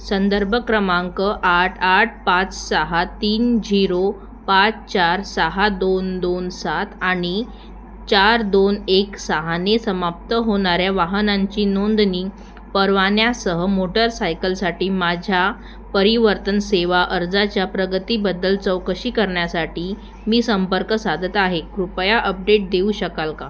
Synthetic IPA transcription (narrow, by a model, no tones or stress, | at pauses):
sənd̪əɾbʱəkɾəmãŋkəʔaʈʰaʈ̚ʰpat͡ssəɦat̪iːnd͡ʑiɾo | pat͡st͡ɕaɾsəɦad̪ond̪onsat̪ʰaɽ̃i | t͡ɕaɾd̪oneksəɦanesəmap̚t̪əɦoɳ̃aɾjaʋaɦənaɲt͡ɕiːnond̪niː | pəɾʋanjasəɦəmoʈəɾsajkəlsaʈiːmad͡ʑʱja | pəɾiʋəɾt̪ənseʋaʔəɾd͡zat͡ɕjapɾəɡət̪iːbəd̪ːəlt͡səwkəɕiːkəɾɳjasaʈiː | miːsəmpəɾkəsad̪ʱət̪aɦekɾupjaʔəp̚ɖeʈ̚d̪euːɕəkalka